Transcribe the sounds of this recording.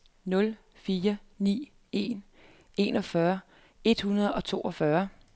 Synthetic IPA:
nɔ̽l | fiːɐnḭː | e̝̰ːn | e̝ːnɒ̽fɶɐ | e̝d̥hunɐð̞ˠɒ̽t͡sʰo̝̰ːɒ̽fɶɐ

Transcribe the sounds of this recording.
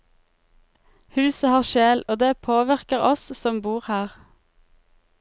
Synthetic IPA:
hʉːsəhɑːʁʃeːloːd̪eːpʰoːʋɪʁkəʁɔssɔmbuːʁhæːʁ

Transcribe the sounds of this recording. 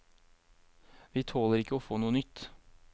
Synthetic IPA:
ʋiːt̪ʰoːləɾɪkəoːfoːnuːənʏt̪

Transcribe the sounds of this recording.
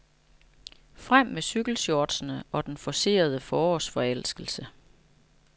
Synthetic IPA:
fʁam̰ːesyɡ̥l̩soːd̥sənəʔɒ̽d̥enfɒ̽se̝̰ːɐð̞ˠəfɒːɒsfɒ̽el̰sɡ̥l̩sə

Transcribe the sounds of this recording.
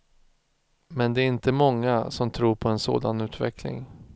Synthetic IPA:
mɛnd̪ɛæɾɪnt̪əmɔŋːasɔmt̪ʰɾuːɾpʰɔɛnso̰ːd̪anʉ̟ːt̪vɛklɪ̰ŋ

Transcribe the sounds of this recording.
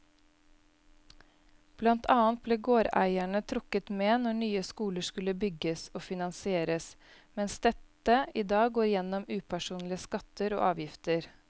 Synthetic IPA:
b̥lɑnt̪ʰɑːənt̪̚bleːɡoːɾæ̰ɪæɳət̪ʰɾʊkət̪meːnɔɳyːəskuːləʂkʉləbʏɡəsoːfɪnɑnsɪeːɾəs | mɛnsd̪ɛt̪əʔiːd̪ɑːɡɡoːɾjɛnɔmʉːpʰæʂuːnlɪəskɑt̪əɾo̰ːʔɑ̰ːʋjɪft̪əɾ

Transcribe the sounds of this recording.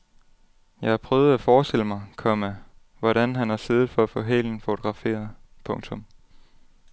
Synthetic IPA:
jɑ̈ɪhɑpʰʁœːʊð̞̩ˠæfɒːsd̥eləmɑ̈ɪkʰɒmæ | ʋɒɾænɦænhɑ̈seːðð̩ˠfɒ̽æfɔ̰̽ɦeln̩fo̝t͡sʰo̝ɡ̥ʁɑ̈fe̝̰ːɐð̩ˠpʰɔ̽ŋt͡sʰɔ̽m

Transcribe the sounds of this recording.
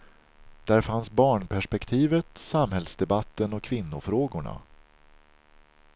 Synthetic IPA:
d̪̥æɾfansbɑːɳpʰæʂpɛkt̪ʰiːvət̪samhɛlsd̪ɛbat̪ːənɔkʰvɪnːʊfɾoːɡʊɳa̰

